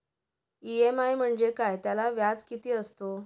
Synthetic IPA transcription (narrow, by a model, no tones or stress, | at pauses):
iemajm̤əɳd͡ʑekajt̪jalaʋjat͡skit̪iːəst̪o